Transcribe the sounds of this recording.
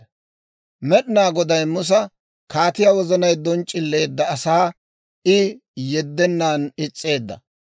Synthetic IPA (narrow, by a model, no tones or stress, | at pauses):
mɛɗɪnaːɡɔd̪ɐjmʊs̬ɐ | kaːt̪ɪjɐwɔzɐnɐjd̪ɔnt͡ʃʼːɪlːe̞ːd̪ːɐːsaː | ɪjɛd̪ːɛnːaːnɪt͡sʼːe̞ːd̪ːɐ